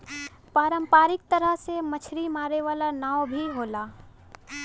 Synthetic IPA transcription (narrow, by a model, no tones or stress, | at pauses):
paːɾəmpaːɾɪk̚t̪əɾəɦsemət͡ʃʰɾimaːɾeʋaːlanaːwbʱiɦoːlaː